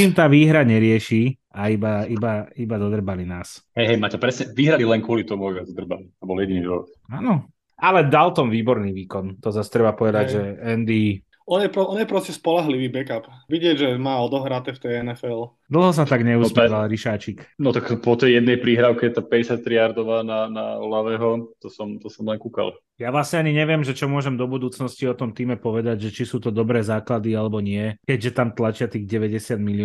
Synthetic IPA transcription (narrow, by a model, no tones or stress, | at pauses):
t͡ʃiːmt̪aːʋiːɦɾaɲɛɾɪɛʃi | aibaibaibad̪ɔd̪r̩balinaːsɦɛjɦɛjmaːtɛpɾɛsɲɛʋiɦɾalilɛnkʊɔlit̪ɔmuɔɛzd̪r̩balit̪ɔbɔljɛɟiniʒɔʋɔ̰t̪̚aːnɔ | alɛd̪alt̪ɔmʋiːbɔɾniːʋiːkɔnt̪ɔzast̪ɾɛbapɔʋɛd̪aɟʒɛɛnd̪i | ɔnjɛpɾɔʔɔnjɛpɾɔscɛspɔlaɦliʋiːbɛkapʋiɟɪɛɟʒɛmaːɔd̪ɔɦɾat̪ɛft̪ɛjɛnɛfɛl | d̪l̩ˠɦɔs̬at̪aɡɲɛust̪aʋalɾiʃaːt͡ʃiknɔt̪akpɔt̪ɛjjɛd̪nɛjpɾiːɦɾaːʊkɛɛt̪aːpɛɟɛsjat̪̚t̪ɾiaɾd̪ɔʋaːnana̰laʋɛːɦɔt̪ɔsɔmt̪ɔsɔmlɛŋkuka̰l | jaʋlasɲɛaɲiɲɛʋɪɛmʒɛt͡ʃɔmʊɔʒɛmd̪ɔbud̪uːt͡snɔsciɔt̪ɔmt̪iːmɛpɔʋɛd̪aɟʒɛt͡ʃisuːt̪ɔd̪ɔbɾɛːzaːklad̪ialɛbɔɲɪɛkɛɟʒɛt̪amt̪lat͡ʃɪat̪iːɣɟɛʋɛɟɛsɪad̪mili